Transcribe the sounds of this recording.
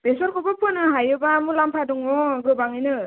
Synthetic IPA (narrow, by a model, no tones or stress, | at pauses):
b̥esɔɾkʰɔbɔpʰɯnɯɦajɯbamulampʰaduŋɔɡɾɯbaŋɯjnɯ